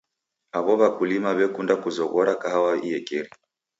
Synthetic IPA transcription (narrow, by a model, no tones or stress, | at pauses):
aβɔβakulimaβɛkundakuzɔɣɔɾakaɦawaiɛkɛɾi